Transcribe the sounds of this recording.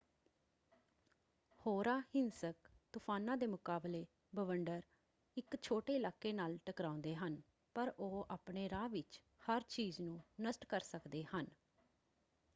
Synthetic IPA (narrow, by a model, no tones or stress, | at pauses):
hoːɾaːhɪnsəkt̪ʊpʰaːnãːd̪eːmʊkaːbleː | bəʋəɳɖəɾ | ɪkt͡ʃʰoːʈeːɪlaːkːeːnaːlʈəkɾãːʊ̃nd̪eːɦən | pəɾʔoːaːpɳeːɾãːʋɪt͡ʃ | həɾt͡ʃiːznũːnəsʈkəɾsəkd̪eːhən